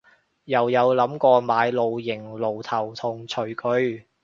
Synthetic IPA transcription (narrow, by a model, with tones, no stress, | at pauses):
jɐ˨˩wjɐ˨˧wlɐ˨˥mkɔː˧maː˨˧jlo˨˧wjɪ˨˩ŋlo˨˩wt̪ʰɐ˨˩wt̪ʰʊ˨˩ŋt͡ʃʰɵ˨˩ɥkʰɵ˧ɥ